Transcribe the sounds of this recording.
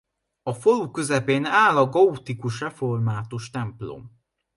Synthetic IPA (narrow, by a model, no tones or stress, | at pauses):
ɒfo̞lukø̞zɛpeːnaːlɒɡɒut̪ikuʃrɛfo̞rmaːt̪uʃt̪ɛmplo̞̰m